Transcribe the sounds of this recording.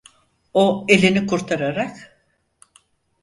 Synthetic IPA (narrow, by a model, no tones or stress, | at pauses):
oe̞lʲinikʰuɾt̪ʰaɾaɾak